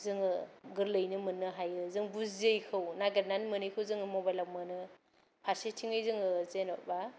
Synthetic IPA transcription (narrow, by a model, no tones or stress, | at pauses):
zɯŋɯɡɯɾlɯjnɯmɯnːɯɦajɯzɯŋbuzejkʰɯwnaɡet̚nanmɯnɯjkʰɯwzɯŋɯmɔbajlaw̚mɯnɯ | pʰaɾsetʰiŋɯjzɯŋɯzenɔba